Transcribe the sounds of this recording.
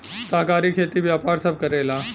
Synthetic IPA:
səɦkaɾiːkʰet̪iːʋjapaɾsəb̚kəɾela

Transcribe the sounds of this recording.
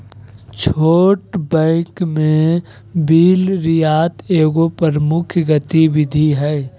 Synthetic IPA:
t͡ʃʰoːʈbɛ̃ːkmẽ | biːlɾɪjaːt̪eːɡopəɾmʊkʰjɡət̪iwɪd̪ʱiɦɛː

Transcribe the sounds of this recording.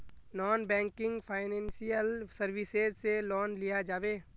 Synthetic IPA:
nɔːnbɛ̃ːŋkɪ̃ŋɡpʰaːɪnɛ̃ːnsijəlsɐɾʋɪsezselɔːnlijad͡ʒaːʋeː

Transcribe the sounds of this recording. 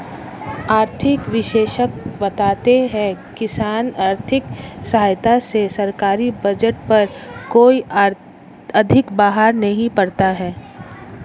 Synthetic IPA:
aːɾt̪ʰɪkʋɪʃeːʃək̚bɐt̪aːt̪eɦɛ̃kɪsaːnaːɾt̪ʰɪksɐɦaːjt̪asesɐɾkaːɾibɐd͡ʒəʈ̚pɐɾkoːi | ɐd̪ʱɪkbaːɦaɾnɐɦĩpɐɽt̪aɦɛː

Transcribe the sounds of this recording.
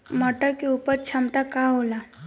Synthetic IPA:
mɔːʈəɾkeuːpəɾt͡ʃʰəmt̪akaɦolaː

